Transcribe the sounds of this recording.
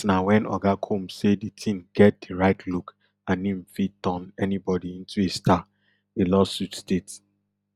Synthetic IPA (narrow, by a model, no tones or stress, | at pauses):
nawɛ̃nɔ̰ɡakʰomseditʰĩmɡɛt̚diɹaɪtʰluk | ãnĩm̩fitɔ̃nɛnibɔdiĩntuestʰa | elɔsutstet